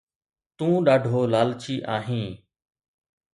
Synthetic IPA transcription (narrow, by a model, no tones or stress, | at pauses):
t̪ũːɗaːɖʱoːlaːlt͡ʃʰiːʔaːɦĩː